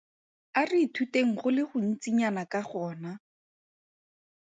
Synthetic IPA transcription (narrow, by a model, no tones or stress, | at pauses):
ariːtʰuteŋ̩χʊlɪχʊn̩t͡siɲanakaχɔːna